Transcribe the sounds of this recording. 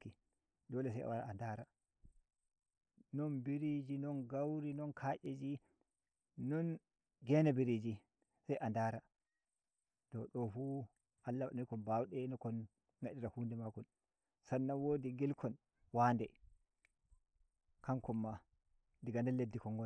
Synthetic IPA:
i | dɔlɛs̬aja̰waɾa̰andaɾa | nɔnbiɾid͡ʒinɔnɡawɾinɔnkʰaʔed͡ʒi | nɔn | ɡɛnabiɾid͡ʒi | sajʔandaɾa | tɔɗɔfu | halːawaɗkɔnbawɗɛnɔkɔn | ŋɡaɗiɾahundɛmakɔn | sanːawodiɡilkʰɔn | waːndɛ | kaŋkɔmːa | diɡandɛlːedːikɔŋɡɔ

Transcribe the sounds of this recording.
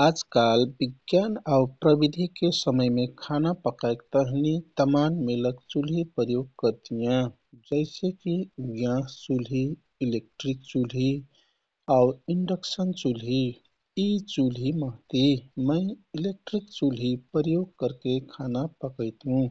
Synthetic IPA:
ad͡ʒkalbiɡjanaupɾəbid̪ʱikesəməjmekʰanapəkaekt̪əɦnit̪əmanmeləkt͡ʃulɦipəɾjoɡ̚kəɾt̪ijã | d͡ʒəɪsekiɡjãt͡ʃulɦiː | lek̚ʈɾik̚t͡ʃulɦi | auiɳɖəksənt͡ʃulɦiː | t͡ʃulɦiməɦt̪iməɪilek̚ʈɾikt͡ʃulɦipɾjoɡ̚kəɾkekʰanapəkəɪt̪ɦũ

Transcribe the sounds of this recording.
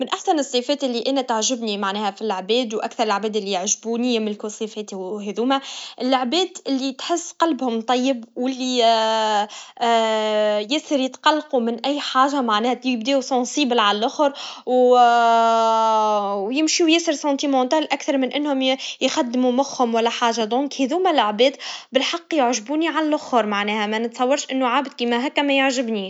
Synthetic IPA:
mɪnʔaħsænɨsˤːifɛːt̪ʔɪlːiʔæːnæt̪aʕʒɪbnimaʕnɛːhæfilʕbɛːd̪wʔækθɑɾˤɪlʕbɛːd̪ɪlːijɪʕʒbuːnɪjːamɪnlkusˤifɛːt̪iheðuːmæʔɪlːoʕbɛːd̪ʔɪlːit̪ħɪsːqɑlbhʊmt̪ˤɑjːɪbwɪlːi | jɪsəɾjɪt̪qɑlːqumɪnʔæjːħaːʒamaʕnɛːhæt̪bd̪ɛːusˤɑ̃sˤiːbɪlʕalælʔʊxɾw | wjɪmʃiwjæsəɾsɑ̃nt̪imɑ̃ːt̪æːlʔækθɑɾˤmɪnʔɪnːhʊmjxad̪ːmumʊxhʊmwælːæħaːʒad̪ɔ̃ːŋkheðuːmælʕbɛːd̪bɪlħɑqːjʊʕʒbuːniʕallʔʊxhʊɾˤmaʕnɛːhæmænɪt̪sˤɑwːɑɾˤʃʔɪnːuʕaːbd̪̚kiːmæɦæːkːæmæjʊʕʒɪbniːʃ

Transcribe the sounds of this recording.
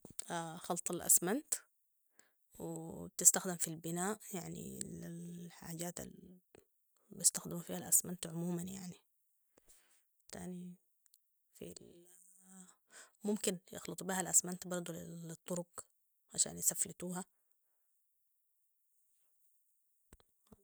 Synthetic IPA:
axɑlt̪ˤalʔa̰smant̪ | wɪt̪ɪst̪axd̪ɪmfilbɪnaːʔjaʕnḭlilħa̰ːɟaːt̪a̰l | bijɪst̪axd̪ɪmufiːhalʔasmant̪ʕʊmuːmanjaʕni | t̪a̰ːni | fḭl | mʊmkɪnjɪ̰xlɨt̪ˤubiːhalʔasmant̪bɑɾˤd̪ˤult̪ˤːʊɾʊk | ʕaʃa̰ːnjɪsaflat̪uːɦa

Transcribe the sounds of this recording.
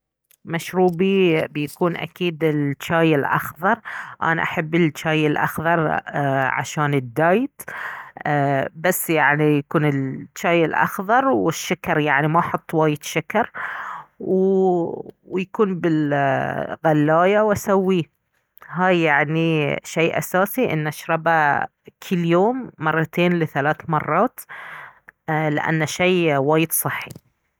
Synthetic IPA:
maʃɾuːbibjakuːnʔa̰kiːd̪ɪlt͡ʃaːjɪlʔɑ̰xðˤɑɾˤʔa̰na̰ʔaħabːɪlt͡ʃːaːjɪlʔa̰xðˤɑɾˤʕa̰ʃaːnɪd̪ːaːjt̪ː | basːjaʕnijakuːnɪlt͡ʃːaːjɪlʔɑ̰xðˤɑɾˤwɪʃːakɑɾˤjaʕnimaʔħɑt̪ˤːwaːjɪd̪ʃakɑɾˤ | w | wjakuːnbɪl | ɣalːaːjawasawːiː | ɦaːjːaʕniʃejːʔa̰saːsiʔɪ̰nːʔaʃɾˤɑba | kʰɪlːjoːmːɑrˤːɑt̪ʰeːnlɪθalaːθmɑrˤːɑːt̪ | lɪ̰ʔa̰nːaʃejwaːjɪd̪sˤɨħːi

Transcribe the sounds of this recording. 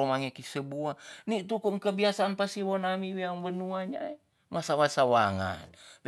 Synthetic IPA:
omaŋekisəbuanit̪ukuŋkəbiasaːnpasiwonamiwiaŋbənuaɲae | masawasawaŋa̰nb

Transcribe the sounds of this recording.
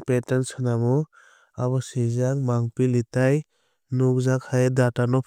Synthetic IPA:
petansɯnamɔ | abɔsizaŋmaŋpilitaj | nuk̚zakʰajdatanɔpʰ

